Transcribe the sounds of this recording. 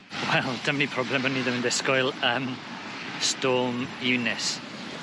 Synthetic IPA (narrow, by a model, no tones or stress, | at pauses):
wɛlˠd̥əmnipʰrɔblɛməniːðəməndɪskɔɨlˠəm | stoːmɪwnɪs